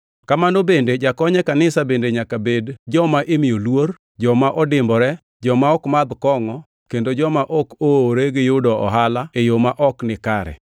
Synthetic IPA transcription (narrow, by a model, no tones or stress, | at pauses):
kamanobended͡ʒakɔɲɛkanɪsabendeɲakabedd͡ʒɔmaʔemɪjolwoɾ | d͡ʒɔmaʔɔdɪmbɔɾɛ | d͡ʒɔmaɔkmad̪kɔŋɔ | kendod͡ʒɔmaʔokoɾeɡɪjʊdɔɔ̰ɦalaejomaʔɔknɪkaɾɛ̰